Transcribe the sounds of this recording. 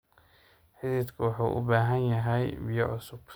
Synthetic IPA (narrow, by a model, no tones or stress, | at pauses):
ħɪðiːd̪kʰʊwɑħṵːʔʊ̰baːɦɐnjɐɦɛjbɪjɔʕʊsʊb̥